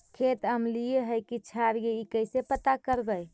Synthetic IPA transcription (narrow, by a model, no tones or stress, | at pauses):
kʰet̪əmlijeɦəjkit͡ʃʰaɾjeikəjsepət̪akəɾbəj